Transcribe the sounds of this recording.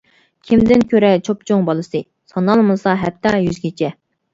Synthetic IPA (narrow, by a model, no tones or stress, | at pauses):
kʲʰimd̪ɪnkʲʰøɾɛt͡ʃʰopt͡ʃʰoŋbɑlˠɨsɨ | sɑnɑlˠmɨsɑɦɛp̚t̪ʰːɑjyzɡʲit͡ʃʰɛ